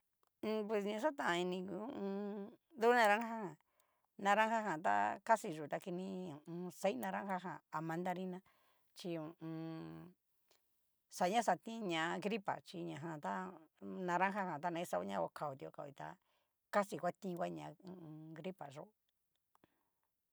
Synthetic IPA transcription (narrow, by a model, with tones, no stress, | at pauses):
p̬we˧s̬ɲã˧sa˦t̪ã˧˨ã˧i˧nĩ˧ũ˧ũ˧ | ðu˦nã˧ɾã˦ŋ˦a˦hã˨ | nã˧ɾã˦ha˦ɦã˨t̪̬a̰˦ka˦si˧ʒu˨t̪a˧ki˧nĩ˧ũ˨ũ˧se˦nã˧ɾã˦ha˦ɦã̰˨a˧mã˧nd̪a˧ɾi˦nã˦ | t͡ʃi˧ũ˨ʔũ˧ | sa˨ɲã˦sa˧t̪ĩ˦ɲã˨˧˨ɡɾi˦pa̰˨t͡ʃi˧ɲã˨ɦã˧t̪a˦nã˧ɾã˦ɦa˦hã˨t̪a˦˧nã˧ĩ˦sa˧ṵ˦ɲã˦kʷa˧kʰa˧˨u˨t̪i˧o̰˧ka˧˨˧i˧t̪a̰˧ | ka˦si˨kʷa˦t̪ĩ˦˧kʷa˦ɲã˨˧ũ˧ɡɾi˦pa˨ʐo˦˧